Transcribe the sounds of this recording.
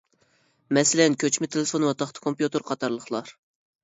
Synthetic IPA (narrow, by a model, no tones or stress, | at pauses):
mɛsɪlɛnkʲʰøt͡ʃmɪt̪ʰelɪfonwɑt̪ʰɑχt̪ʰə̥kʰompjut̪ɨɾqʰɑt̪ʰɑɾlˠəχlˠɑɾ